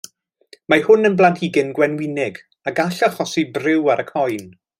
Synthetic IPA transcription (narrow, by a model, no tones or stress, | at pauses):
mahʊnənblantiɡɪnɡwɛnwɪnɪɡ | aɡaɬaχɔsibrɪwaɾʔəkʰɔjn